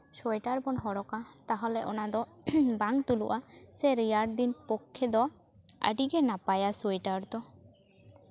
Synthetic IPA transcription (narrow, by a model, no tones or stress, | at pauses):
sɔjʈaɾbɔnɦɔɽɔkat̪aɦɔlɛʔɔnad̪ɔ | baŋt̪ulṵʔaseɾijaɾɖ̚d̪inpɔkʰːed̪ɔ | a̰ɖiɡɛnapajasɔjʈaɾt̪ɔ